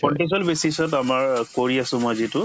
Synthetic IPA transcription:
ɔnʈis̬ɔlbesisɔtamaɹkoɹiasʊ̃mojzitʊ

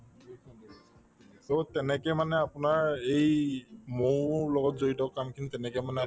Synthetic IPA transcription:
totɛnɛkɛmanɛapʊnaɹejmolɔɡɔtzoɹitɔkamkʰinitɛnɛkɛmanɛ

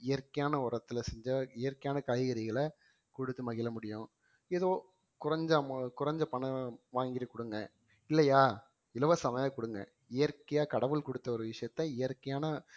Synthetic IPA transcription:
ɪjɐɾkɐjaːnɐɔɾɐt̪ːɯlɐsɛɲd͡ʒɐɪjɐɾkːɐjaːnɐkɐjɣɐɾɪɣɐɭɐ | kɔɽɯt̪ːɯmɐɣɪlɐmʊɽɪjʊ̃ | ɛðoː | kʊɾɐɲd͡ʒɐkʊɾɐɲd͡ʒɐpɐɳɐʋaːŋɡɪɾɐkɔɽɯŋɡɐ̃ | ɪlːɐjaː | ɪlɐʋɐsɐmɐjɐkɔɽɯŋɡɐ̰̃ | ɪjɐɾkɐjaːkɐɽɐʋɯlkɔɽɯt̪ːɐɔɾɯʋɪʂɐjɐt̪ːɐɪjɐɾkːɐjaːnɐ

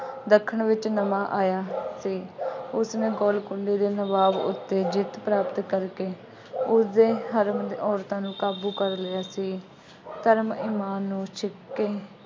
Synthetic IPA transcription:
d̪əkʰːəɳʋɪt͡ʃnəmãːʔaːjaːsiːʊsnẽːɡɔːlkʊɳɖeːd̪eːnəbaːʋʊ̰t̪ːeːd͡ʒɪt̪pɾaːpt̪kəɾkeː | ʊsd̪eːɦəɾəmd̪ːɔːɾt̪ãːnũːkaːbuːkəɾlɪjaːsiː | t̪əɾmiːmaːnːũːʃʰɪkːeː

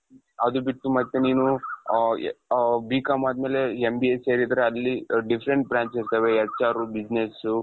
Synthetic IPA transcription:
ɐd̪ubiʈːumɐt̪ːeniːnu | biːkamaːd̪meːle̞embieseːɾid̪ɐɾeɐlːiɖifʰɾeɳʈ̚bɾaːnsiɾt̪ɐʋeɛt͡ʃaːɾubid͡ʒnesu

